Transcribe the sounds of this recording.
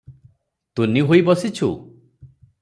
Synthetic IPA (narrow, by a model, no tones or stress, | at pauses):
t̪uniɦojbɔsit͡ʃʰṵ